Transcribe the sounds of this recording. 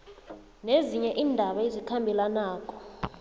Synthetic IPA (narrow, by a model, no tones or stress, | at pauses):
neziɲɛʔiːndʱaɓaezikʰambʱilanaːkʼɔ̥